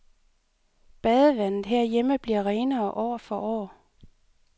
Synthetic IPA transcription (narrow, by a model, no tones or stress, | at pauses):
b̥ɛðˠəʋæn̰ð̩ˠɦeɐjeməb̥liɐʁeːnɐːʔɒ̰ːfɒʔɒ̰ː